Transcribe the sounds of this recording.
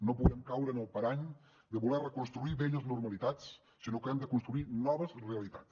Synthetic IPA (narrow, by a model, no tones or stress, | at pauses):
nopuðɛmkawɾənəlˠpəɾaɲ | d̪əβulɛrəkunst̪ɾuiβeʎəznurməlit̪at͡sː | inokɛmd̪əkunst̪ɾuinɔβəzreəlit̪a̰t͡s